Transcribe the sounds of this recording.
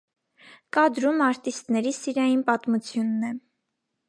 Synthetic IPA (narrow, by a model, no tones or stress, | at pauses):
kɑd̪ɾumɑɾt̪ist̪nɛɾisiɾɑjinpɑt̪mut͡sʰjunːɛ